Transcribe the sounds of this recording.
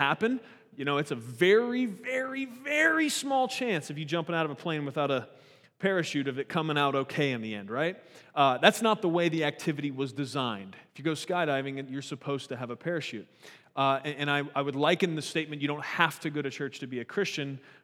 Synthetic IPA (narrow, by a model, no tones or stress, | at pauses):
hæpɨ̃n | jɨñoʊɨtsɨvɛɹivɛɹivɛɹismɔlˠt͡ʃʰæ̃nsɨfjɨd͡ʒʌ̃mpɨ̃ñaʊɾʌvəpʰl̥ẽɪ̃nwɨθaʊɾə | pʰɛɹɨʃʉɾɨvɨt̚kʰʌ̃mɪ̃ŋaʊɾoʊkʰeɪɨ̃nðiɛ̰̃nd̚ɹaɪt̚ðætsnət̪̚ðəweɪðiæk̚tʰɪvɨɾiwʌzdɨzãɪ̃nd̥ɪfjɨɡoʊskaɪɾaɪvɪ̃ŋɨ̃jə˞sɨpʰoʊz̥tʰɨːvəpʰɛɹɨʃʉt̚ | ɨ̃ɨ̃ɾ̃aɪaɪwɨdˡlaɪkɨ̃nðɨsteɪt̚mɨ̃nt͡ʃjɨɾõʊ̃nt̚hæftʰɨɡoʊɾɨt͡ʃʰɜ˞t͡ʃtʰɨbiɨkʰɹ̥ɪst͡ʃɨ̃n